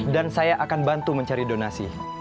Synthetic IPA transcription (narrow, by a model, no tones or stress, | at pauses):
dansajaʔakanbant̪uməɲt͡ʃaɾidonasḭ